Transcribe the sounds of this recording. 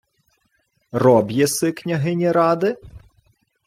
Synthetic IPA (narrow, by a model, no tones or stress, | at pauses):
rɔbjɛsɪknʲɐɦɪnʲiɾɑd̪ɪ